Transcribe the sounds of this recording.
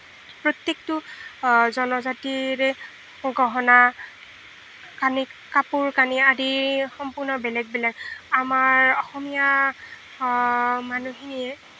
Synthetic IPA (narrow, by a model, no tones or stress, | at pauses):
pɹot̪jektʊ | zɔnɔzatiɹɛ | ɡɔɦɔna | kanikapuɹkaniadixɔmpʊɹnɔbɛlɛɡ̚bɛlɛɡamaɹɔxɔmija | manuɦinijɛ